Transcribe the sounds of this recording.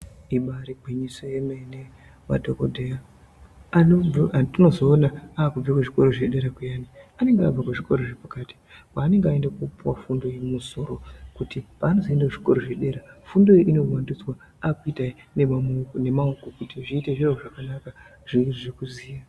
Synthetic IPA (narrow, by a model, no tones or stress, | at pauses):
iɓaɾiɡ͡bʱiɲisojemene | ʋa̰dʱokodʱeja | atino̞zo̞ːnaaːkub͡vakweʐiko̞ɾo̞ʐeɗe̞ɾakujaːniane̞ŋɡea̰b͡vakeʐiko̞ɾoʐepakaːti̥waːne̞ŋɡeae̞ndakupuwafundo̞jemuso̞ɾo̞kutipaːno̞zoendaʐiko̞ɾoʐe̞ɗe̞ɾafundo̞jiʔino̞wandit͡swa | akuitai | nene̞maokokutiʐiːte̞ʐiraoʐakanaka | ʐ̥irʐekuziːja